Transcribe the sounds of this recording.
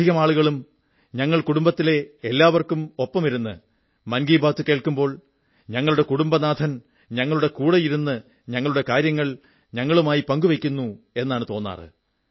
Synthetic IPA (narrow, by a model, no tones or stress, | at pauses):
iɣɐmaːɭuɣɐɭum | ɲɐŋːɐɭkuɽumbɐt̪ːile̞ːlːaːʋɐrkumo̞pːɐmiɾunːɨ̰ | mɐnɡiːbʱaːt̪ːuke̞ːɭkumbo̞ːɭ | ɲɐŋːɐɭuɽe̞kuɽumbɐnaːd̪ʰʱɐn | ɲɐŋːɐɭuɽe̞kuːɽɐjiɾunːɨ | ɲɐŋːɐɭuɽe̞kaːɾjɐŋːɐɭ | ɲɐŋːɐɭumaːjipɐŋɡuʋekʲːunːu | e̞nːaːɳɨt̪o̞ːnːa̰ːrɨ̰